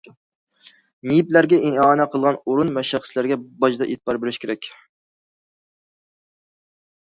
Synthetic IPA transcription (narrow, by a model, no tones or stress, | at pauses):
nijiplæɾɡʲɛʔeŋɑːnɛqʰəlˠʁɑnoɾunvɛʃæχə̥slæɾɡʲɛbɑʃd̪ɑʔḛt̪̚bɑɾbeɾɪʃkʲʰeɾɛkʲ